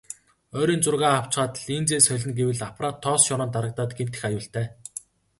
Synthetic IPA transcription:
œːɾiːnt͡sʊrʁaːaw̥t͡sɢaːt̪ə̆ɮiːnt͡seːsœɮʲɪ̆nɡewɘ̆ɮapraːt̪ʰːɔːsʃɔɾɔ̆ːnt̪aɾə̆k̚t̪aːt̪ɡem̥t̪ɘ̆xajʊːɬt̪æː

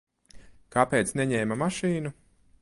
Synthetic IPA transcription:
kapeːt̪snɛɲɛːmamaʃiːnu

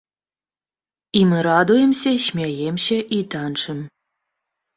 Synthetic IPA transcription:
imɨɾad̪ujɛmsʲɐɕmʲejemɕeʔit̪anʂɨm

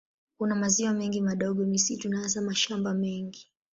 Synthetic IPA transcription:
kunamaziwamɛŋɡimaɗɔɠɔnisitunazamaʃambamɛŋɡi

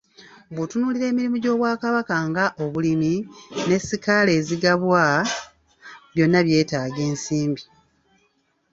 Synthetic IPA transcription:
bwutunuːliɾe̞ːmiɾimuɟo̞ːβwaːkaβakaŋɡaʔo̞βulimine̞sikale̞ːziɡaβwa | βjo̞nːaβje̞ːtaːɡe̞ːnsiːmbi

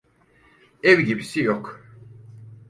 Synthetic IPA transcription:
ɛvɟibisijok

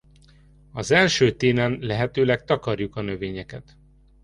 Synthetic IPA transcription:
ɒzɛlʃøːt̪eːnɛnlɛɦɛt̪øːlɛk̚t̪ɒkɒrjukɒnø̞veːɲɛkɛt̪

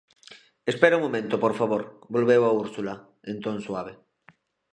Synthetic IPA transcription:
espeɾauŋmomẽnt̪opoɾfaβoɾbolβewauɾsula | ẽnt̪õŋswaβ̞e

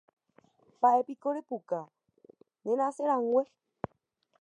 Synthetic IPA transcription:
baʔepikoɾepuka | nẽnãseɾãŋɡʷe

